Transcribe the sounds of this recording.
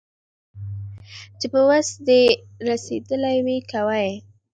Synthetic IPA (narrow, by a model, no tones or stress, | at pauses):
t͡ʃepəwasd̪e | ɾased̪əlajwikawaj